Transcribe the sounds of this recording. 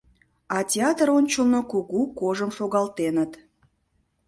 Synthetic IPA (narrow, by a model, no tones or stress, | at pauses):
ɑtʲeɑt̪əɾonʲt͡ɕəlˠnokuɣukoʒəmʃoɣɑlt̪enət̪